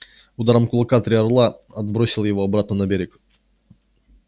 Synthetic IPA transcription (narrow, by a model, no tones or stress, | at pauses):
ʊd̪aɾəmkʊlˠɐkat̪ɾʲɪɐrlˠaɐd̪̚bɾo̞sʲɪlˠjɪvo̞ɐbɾat̪̚nənɐbʲeɾʲɪk